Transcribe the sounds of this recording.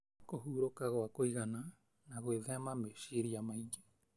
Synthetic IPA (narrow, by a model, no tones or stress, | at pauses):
koɦuɾokaɣoakoiɣana | naɣweðeamameʃiɾiamaid͡ʒe̥